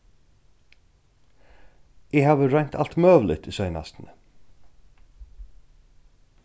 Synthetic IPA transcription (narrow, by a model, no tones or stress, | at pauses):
ɪhaːʋəɾɛjɲ̥t̪ʰal̥t̪mœːʋlɪ̰t̪isœʏna̰st̪n̩ə